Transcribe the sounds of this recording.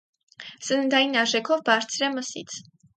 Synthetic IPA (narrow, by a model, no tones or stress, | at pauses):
sənənd̪ɑjinɑʒɛkʰɔvbɑɾt͡sʰɾɛməsḭt͡sʰ